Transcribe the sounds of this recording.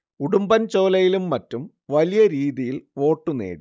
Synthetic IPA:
uɽumbɐnt͡ɕo̞ːlɐjilumːɐtːum | ʋɐlijɐɾiːðijilʋo̞ːʈːunḛːɽi

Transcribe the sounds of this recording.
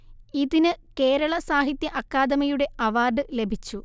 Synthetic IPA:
iðinɨke̞ːɾɐɭɐsaːɦit̪jɐʔɐkːaːd̪ɐmɐjuɽe̞ɐʋaːrɖɨle̞bʱit͡ɕːu

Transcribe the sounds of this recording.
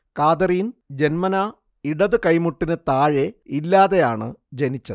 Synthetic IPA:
kaːd̪ɐrijnd͡ʑe̞nmɐna | iɽɐðɨkɐjmuʈːinɨt̪aːɻeilːaːðe̞jaːɳɨd͡ʑenit͡ɕːɐðɨ

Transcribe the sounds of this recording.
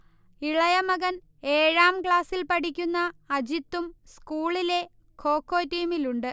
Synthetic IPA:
iɭɐjɐmɐɡɐn | e̞ːɻaːmkɭaːsilpɐʈikʲːunːɐːd͡ʑit̪ːumskuːɭile̞ | kʰo̞ːkːo̞ːtːiːmiluɳɖɨ

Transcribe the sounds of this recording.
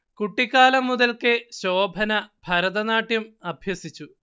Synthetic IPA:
kuʈːikːaːlɐmːuðɐlkɨɕoːbʱɐnɐb̥ʱɐɾɐðɐnaːʈːjumɐbʱjɐsit͡ɕːu

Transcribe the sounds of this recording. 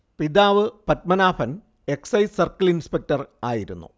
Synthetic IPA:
pid̪aːʋɨpɐt̚mɐnaːfɐn | e̞ksɐjsɐrkɐlinspek̚tɐraːjiɾunːṵ

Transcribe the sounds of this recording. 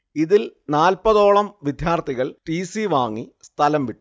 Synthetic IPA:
iðilnaːlpɐðo̞ːɭɐmʋid̪ʱjaːrt̪ʰiɣɐɭʈiːsiʋaːŋːist̪ʰɐlɐmʋiʈːu

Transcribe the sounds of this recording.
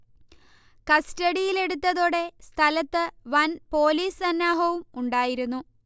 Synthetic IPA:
kɐstɐɽijile̞ɽut̪ːɐðoːɽe̞st̪ʰɐlɐt̪ːɨʋɐnpo̞ːliːsɐnːaːɦɐʋumuɳɖaːjiɾunːu

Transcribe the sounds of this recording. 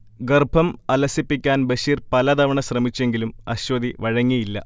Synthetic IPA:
ɡɐrbʱɐmɐlɐsipːikʲːaːnbɐɕiːrpɐlɐd̪ɐʋɐɳɐɕrɐmit͡ɕːe̞ŋɡilumɐɕʋɐd̪iʋɐɻɐŋːijilːɐ

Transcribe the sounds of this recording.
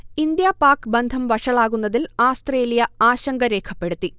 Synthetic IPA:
ind̪jaːpaːkɨbɐnd̪ʱɐmʋɐʂɐɭaːɣunːɐðilaːst̪reːlijɐaːɕɐŋɡɐɾe̞ːkʰɐpːe̞ɽut̪ːi

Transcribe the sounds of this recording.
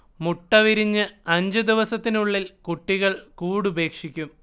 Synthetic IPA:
muʈːɐʋiɾiɲːɨɐɲd͡ʑɨd̪iʋɐsɐt̪ːinuɭːilkuʈːiɣɐɭkuːɽube̞ːkʂikʲːum

